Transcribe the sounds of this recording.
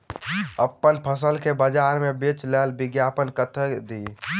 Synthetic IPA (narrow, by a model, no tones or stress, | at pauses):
əpːənpʰəs̬əlkebəd͡ʒaɾmebet͡ʃlelbiɡjapənkət̪ʰəd̪i